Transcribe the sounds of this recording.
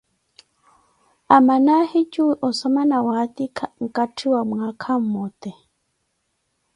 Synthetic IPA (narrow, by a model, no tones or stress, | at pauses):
amanahit͡ʃuʔɔsɔmanawat̪ikʰŋ̩katʰiwamwakʰam̩mɔt̪ɛ